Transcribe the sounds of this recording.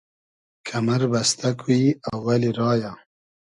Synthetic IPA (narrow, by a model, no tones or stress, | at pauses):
kʰamaɾbast̪ʰakʰiawːaliɾɑːja